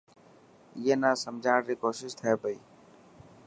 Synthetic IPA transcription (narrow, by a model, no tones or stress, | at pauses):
iːeːnaːsəmd͡ʒʱaːɽɾiːkoːsɪʃt̪ʰəeːpəḭː